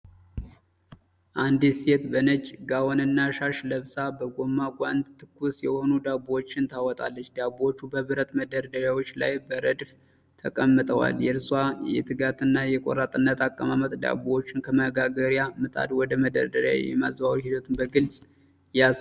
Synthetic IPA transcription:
ʔand̪iset̪bənət͡ʃʼːɡawonɨnːaʃaʃləβsabəɡo̞mːakʷʼand̪t̪ʰɨkːusjɛho̞nud̪abwot͡ʃːɪnt̪ʰawɔt̪ʼa̰lːət͡ʃːd̪abwot͡ʃːubəβɨɾət̪ʼməd̪əɾd̪əɾjawo̞t͡ʃːla̰jbəɾəd̪f | t̪ʰəkʼəmːɨt̪ʼəwa̰ljɛɾswajɛ̰t̪ʰɨɡat̪ʰɨnːajɛkʼo̰ɾat̪ʼɨnːət̪akʼːəmamət̪ʼd̪a̰bwot͡ʃːɪnkʰəməɡaɡəɾjamɨt̪ʼa̰d̪wɔd̪əməd̪ə̰ɾd̪əɾja̰jɛ̰mazbawɾhid̪ət̪ʰɨmbəɡɨlsʼ | jas

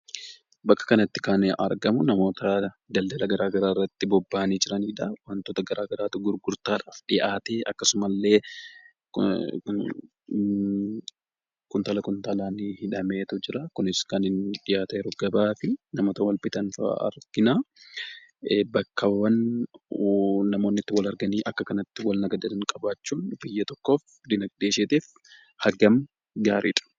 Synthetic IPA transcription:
bɐkːɐ̥kɐnɐt̪ːɪ̥kanʔɐ̰ɾɡɐmʊnɐmo̞ːt̪ɐ | d̪ɐld̪ɐlɐɡɐɾaːɡɐɾaːrːɐt̪ːɪbɔbːaːniːd͡ʒɪɾɐniːᶑɐwɐnt̪oːt̪ɐɡɐɾaːɡɐɾaːt̪ʊɡʊɾɡʊɾt̪aːᶑaːfᶑɪʔaːt̪eːʔɐkːɐsʊmɐlːe̞ː | kʊnt̪aːlɐkʊnt̪aːlaːnɪhɪᶑɐme̞ːt̪ʊd͡ʒɪɾɐkʊnɪskɐnɪnᶑɪʔaːt̪ɛɾɔɡɐbaːfɪnɐmoːt̪ɐwɐlbɪt̪ɐnfɐ̰ɐ̰ɾɡ̥ɪnaː | bɐkʰːɐwɐn | nɐmo̞ːnːɪt̪ːɪwɐlɐɾɡɐniːʔɐkːɐkɐnɐt̪ːɪwɐlnɐɡɐd̪ɐnɪnkʼɐbaːt͡ʃːuːnbɪjːɐt̪ɔkːo̞ːf | d̪ɪnɐɡd̪eːʃeːt̪eːf | hɐɡɐm | ɡaːɾiːᶑʼɐ̥

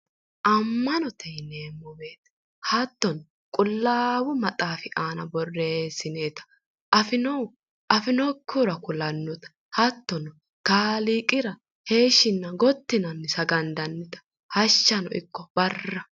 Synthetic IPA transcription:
ʔɐmːɐnɔt̪ʰɛneːmːɔbeːt̪ɐ̥ | hɐt̪ːɔn | kʼʊlːaːwʊmɐt̪ʼaːfɪʔaːnɐbɔrːe̞sːɪneːt̪ɐ̥ | ʔɐfɪnɔw | ʔɐfɪnɔkʰːuɾɐkʊlɐnːɔt̪ɐ̥ | hɐt̪ːɔn | kaːliːkʼɪɾɐ | he̞ːʃɪnːɐɡɔt̪ːɪnɐnːɪsɐɡɐnd̪ɐnːɪt̪ɐ̥ | hɐʃːɐnɔ̰ʔɪ̰kːɔbɐrːɐ

